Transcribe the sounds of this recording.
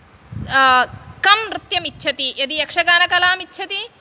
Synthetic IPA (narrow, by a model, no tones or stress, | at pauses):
kɐmɾɪt̪jɐmitːt͡ʃʰɐt̪ijɐd̪ijɐkʂɐɡaːnɐkɐlaːmitːt͡ʃʰɐt̪i